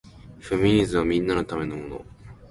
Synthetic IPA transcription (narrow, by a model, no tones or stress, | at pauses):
ɸemʲiɲ̟izɨ̃βamʲĩnːano̞t̪ame̞no̞mo̞no̞̰